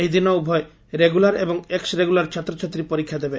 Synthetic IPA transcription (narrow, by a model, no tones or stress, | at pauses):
eɦjd̪inɔubʱɔe | ɾeɡulaɾebɔŋeksɾeɡulaɾt͡ʃʰat̪ːɾot͡ʃʰat̪ːɾipoɾikʰːjad̪ebe